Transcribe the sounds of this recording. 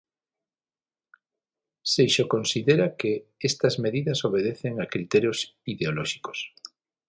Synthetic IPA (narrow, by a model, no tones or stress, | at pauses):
sejʃokonsiðeɾakeest̪ɐzmeðiðɐsoβ̞eðeθeŋakɾit̪ɛɾjosiðeolɔʃi̥ko̥s